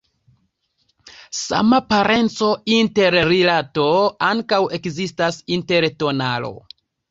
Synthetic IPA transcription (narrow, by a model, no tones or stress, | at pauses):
sa̰mapaɾʔe̞nt͡so̞inte̞ɾːilatoaŋkawe̞kzistasinte̞ɾto̞nalo̞̰